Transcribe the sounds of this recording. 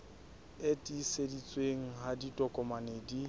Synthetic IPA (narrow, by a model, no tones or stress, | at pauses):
etʼisedit͡sʼweŋ̩ɦaditʼɔkʼɔmaneːdi